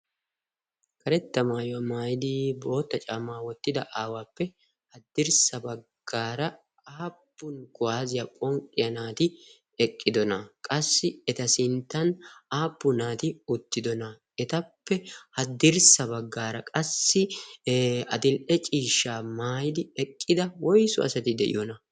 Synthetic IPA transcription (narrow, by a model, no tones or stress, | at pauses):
kɐɾɛt̪ːɐmaːjɔɐmaːjɪd̪ɪbo̞ːt̪ːɐt͡ʃʼaːmaːwɔt̪ːɪd̪ɐʔaːwaːpːɛ | hɐd̪ːɪɾsɐbɐɡɡːaːɾɐ | aːpːʊnkʊwaːzɪjɐkʼɔŋkʼːɪjɐnaːt̪ɪ | ɛkʼːɪd̪ɔnɐkʼɐsːɪɛt̪ɐsɪnt̪ːɐnaːpːʊnaːt̪ɪʊt̪ːɪd̪ɔnɐ | ɛt̪ɐpːɛhɐd̪ɪɾsɐbɐɡːaːɾɐkʼɐsːɪ | ɐd̪ɪlʔɛt͡ʃʼiːʃːaːmaːjɪd̪ɪɛkʼːɪd̪ɐwɔjsʊ̰ɐ̰sɐt̪ɪd̪ɛ̰ʔɪ̰jɔnɐ